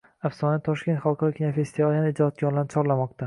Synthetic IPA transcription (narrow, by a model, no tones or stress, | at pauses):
afsɒnat̪ːʰɒʃkʲe̞nt̪χalˠqʰɑɾɒkʲʰinafe̞st̪ivɒlijanɪːd͡ʒɒt̪̚ɡʲɒɾlanɪt͡ʃʰɒɾlamɒq̚t̪ʰa